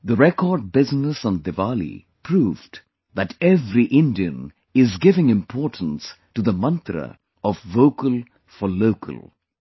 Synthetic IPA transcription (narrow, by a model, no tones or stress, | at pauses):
ðəɾɛkɔːɖ̚bɪznəsɔ̃nd̪ɨvalḭ | pʰɾuːv | ðæʈɛvɾiʔɪ̃ndiə̰̃n | ɪzɡɪvɪ̃ŋɪ̃mpʰɔʈn̩s | ʈud̪əmʌ̃nt̪ɾə̰ | ɔvːoʊkəlˠ | fɔloʊkʰə̰lˠ